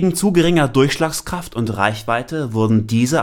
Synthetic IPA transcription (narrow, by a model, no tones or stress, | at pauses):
ɡŋ̩t͡suːɡəʁɪŋɐdʊɐçʃlaːkskʁ̥aftʊntʁa̰ɪçv̥aɪtəvʊɐdn̩diːzə